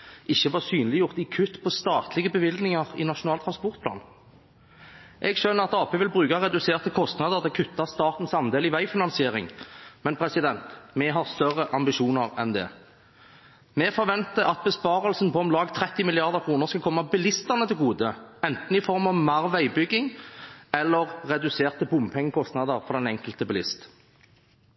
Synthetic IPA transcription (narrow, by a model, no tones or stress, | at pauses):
ʔɪçːəʋɑːʁsyːnlɪjʊʁt̪ɪkʰʉt̪ːpʰɔst̪ɑːt̪ʰlɪɡəbəʋɪlɡ̪nɪŋɑʁɪ̰nɑʃʊnɑːlt̪ʰʁɑnspɔʁt̪̚pʰlɑ̰ːn | ʔɛɡʃœnːəʁɑt̪ɑːpʰeːʋɪlbʁʉːkɑʁɛd̪ʉseːʁt̪əkʰɔst̪nɑd̪əʁd̪ɛkʰʉt̪ʰːɑst̪ɑːt̪n̩sɑnd̪eːlɪʋæɪfɪnɑnsɪeːɾɪŋmɛnpʰɾɛsɪd̪ɛnt̪mɛɦɑʁst̪œʁəʔɑmbɪʃuːnəʁɛnd̪ɛ̰ː | mɛfɔɾʋɛnt̪əɑt̪̚bəspɑːʁəlsn̩pɔɔmlɑːɡt̪ʰɾɛt̪ːɪmɪlɪɑʁd̪əʁkʰʁuːnəʁskɑlkʰɔmːɑbɪlɪst̪əʁnət̪ʰɪlɡuːd̪əɛnt̪n̩ɪfɔʁmɑʋmɑʁʋæɪbʏɡːɪŋɛlːəʁːɛd̪ʉseːʁt̪əbʊmpʰɛŋːəkʰɔst̪nɑd̪əʁfɔʁd̪ɛnɛŋkəlt̪əbɪlɪst̪